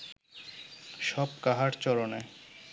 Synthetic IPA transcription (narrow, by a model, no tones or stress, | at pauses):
ʃɔb̚kaɦaɾt͡ɕɔɾone